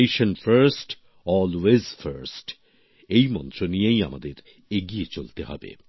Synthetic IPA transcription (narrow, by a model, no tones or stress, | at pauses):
jʃɐnfəɾsʈ | ɔlwezfəɾsʈ | ejmɔ̰nt̪ɾonieja̰mad̪eɾ | eɡiet͡ʃolt̪eɦɔ̰bḛ